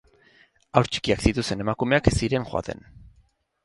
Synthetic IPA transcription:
awɾt͡ʃi̥kiaksit̪ust̪e̞ne̞makume̞akesiɾe̞ŋxoa̰t̪e̞̰n

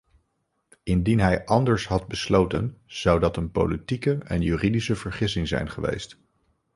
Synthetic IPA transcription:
ɪndinɦɛjʔɑndəɹsɦɑd̚bəslowtə̰nz̥ɑwdɑtənpo̰wlitikəɛ̰njyːridisəvəɹχɪsɪŋzɛ̰jnχəʋḛjst

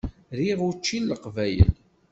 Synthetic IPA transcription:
ɾiʁut͡ʃːinːəqvæjə̰l

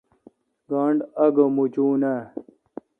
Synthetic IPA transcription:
ɡaːɳɖɐɡɐmut͡ɕuːnaː

